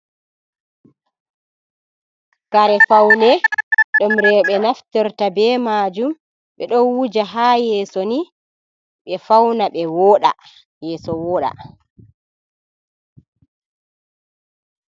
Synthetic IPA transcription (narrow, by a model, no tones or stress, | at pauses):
kaɾɛfawnɛɗɔmɾɛɓɛnaftɛɾtabɛːmaːd͡ʒum | ɓɛɗɔnwud͡ʒaɦaːjɛːsoni | ɓɛfawnaɓɛwɔːɗa̰ | jɛːsɔwɔːɗa̰